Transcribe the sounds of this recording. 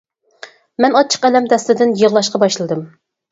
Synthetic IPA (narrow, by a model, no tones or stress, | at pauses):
mɛnɑt͡ʃʰːə̥qɛlɛmt̪ɛslɪd̪ɪnjəʁlˠɑʃqɑbɑʃlˠɨd̪ɨm